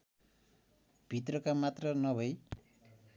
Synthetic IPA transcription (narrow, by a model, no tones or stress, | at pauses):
bʱit̪rʌkamat̪rʌnʌbʱʌj